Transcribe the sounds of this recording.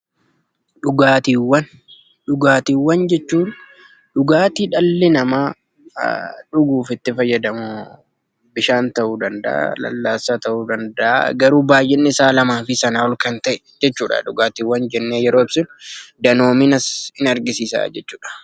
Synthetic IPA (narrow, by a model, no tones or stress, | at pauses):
ᶑʊɡaːt̪iːwːɐn | ᶑʊɡaːt̪iːwːɐnd͡ʒɛt͡ʃːuːn | ᶑʊɡaːt̪iːᶑɐlːɪnɐmaː | ᶑʊɡuːfɪt̪ːɪfɐjːɐd̪ɐmʊ | bɪʃaːnt̪ɐʔuːd̪ɐnd̪ɐ̰ʔa̰lɐ̰lːaːsaːt̪ɐʔuːd̪ɐnd̪ɐʔa̰ɡɐɾuːbaːjʔɪnːɪɪsaːlɐmaːfɪsɐnaːɔlkɐnt̪ɐʔɛ | d͡ʒɛt͡ʃːuːᶑɐ̰ᶑʊɡaːt̪iːwːɐnd͡ʒɛnːeːjɛɾoːɪb̥sɪnd̪ɐno̞ːmiːnɐsɪnɐɾɡɪsiːsa̰ːd͡ʒɛt͡ʃːuːᶑɐ̥